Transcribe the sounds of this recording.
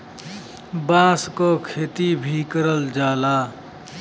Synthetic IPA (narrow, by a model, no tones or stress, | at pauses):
bãːskokʰeːt̪ibʱikəɾəld͡ʒaːlaː